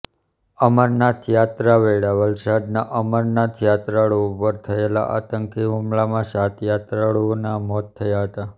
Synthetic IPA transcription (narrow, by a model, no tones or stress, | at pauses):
əməɾnat̪ʰjat̪ɾaʋeɭaʋəlsad̪naʔəməɾnat̪ʰjat̪ɾaɭoupəɾt̪ʰəela̰ʔa̰t̪əŋkiɦumɭamãsat̪jat̪ɾaɭunamɔt̪ʰːəjaɦət̪a